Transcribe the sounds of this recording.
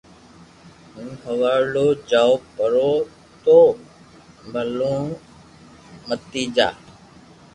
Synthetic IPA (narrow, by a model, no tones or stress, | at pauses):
ɦũːɦəʋaːɾloːd͡ʒaːopəɾoː | t̪oː | bʱəlõː | mət̪iːd͡ʒa̰ː